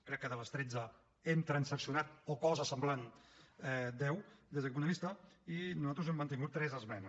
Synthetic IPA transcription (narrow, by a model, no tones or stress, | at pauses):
kɾɛkːəðələst̪ɾed͡zə | ɛmt̪ɾənsəksiunat̪̚okɔzəsəmblanɛd̪ɛwd̪ezðəmunəlist̪əinuzat̪ɾuzɛmːənt̪̬iŋɡut̪ːɾɛzəzmɛn